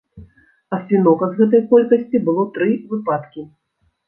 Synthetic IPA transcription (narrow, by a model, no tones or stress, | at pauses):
ɐsʲvʲinɔkɐzɣɛt̪̬ɐjkɔlʲkɐsʲt͡sʲibɨlˠɔt̪ɾɨvɨpat̪kʲi